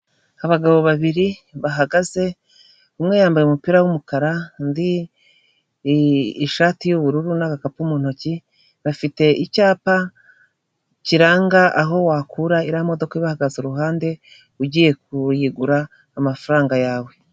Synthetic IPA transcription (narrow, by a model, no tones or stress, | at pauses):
aβaɡaβo̞βaβiɾiβaɦaɡaze̞ | umŋe̞jaːmbajeumupiːɾawumukaɾandi | ʃaːtijuβuɾuɾunakakapumuːn̥o̞ci | βafite̞ʔicaːpa | ciɾaːŋɡaʔaɦo̞waːkʰuɾaiɾamo̞do̞kaiβahaɡazoɾuɦaːnde̞ | uɟiːje̞k̚ujiɡuɾaː | mafaɾaːŋɡajaːwe̞